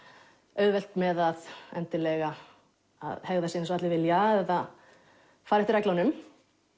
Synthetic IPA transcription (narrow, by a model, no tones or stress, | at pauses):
œɥðvɛl̥t̪mɛðaðɛnt̪ɪlɛɣa | a̰ðhɛɣðasjinɛnsɔat̪lɪvɪljaɛθa | faːɾɛht̪ɪɾvɛklanʏm